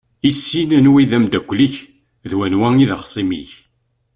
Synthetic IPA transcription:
isːinænwiðæmd̪ækʷːliç | ðwænwæŋiðəχsˤimḭç

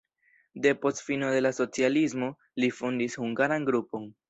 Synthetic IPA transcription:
de̞po̞stfino̞de̞laso̞t͡sialismo̞ | lifondishuŋɡaɾanɡɾupo̞n

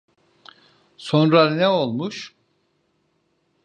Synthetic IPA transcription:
so̞nɾanɛo̞lˠmuʃ

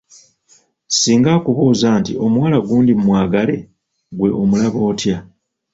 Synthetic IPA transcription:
siːŋɡaːkuβuːzaːntḭo̞mwaːlaɡuːndimumwaːɡale̞ | ɡwe̞ʔomulaβo̞ːtja

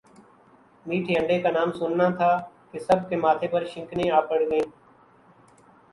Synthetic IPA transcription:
miːʈʰeːəɳɖeːkaːnaːmsʊnːãːt̪ʰaːkesəb̚ʱkeːmaːt̪ʰeːpəɾʃɪ̃ŋknẽːaːpəɽɡẽː

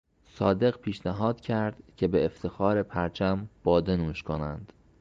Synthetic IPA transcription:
sɒːd̪e̞ɣpʰiːʃnæɦɒːd̪̥cʰæɾd̪̥cʰe̞be̞ːft̪ʰe̞xɒːɾe̞pʰæɾt͡ʃʰæmb̥ɒːd̪enuːʃkʰo̞næ̰nd̪̥

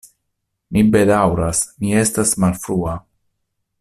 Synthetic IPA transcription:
mibe̞dawɾasmie̞stasmalfɾua

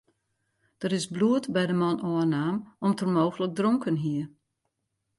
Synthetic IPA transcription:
d̥əɾɪsbluətbɛjdəmɔnɔənaːmɔmtʰərmoːɣələk̚droŋkənɦiə

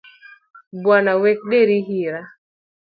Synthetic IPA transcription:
bwanawɛk̚ɗeɾiɦiɾa

